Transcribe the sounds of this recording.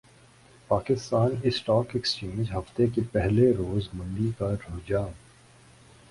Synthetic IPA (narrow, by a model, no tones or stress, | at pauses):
paːkɪst̪aːnɪsʈɔːkekst͡ʃĩːmɪd͡ʒɦɐft̪ekepɛɦleɾoːzmɐ̃nd̪ikaɾoːd͡ʒaː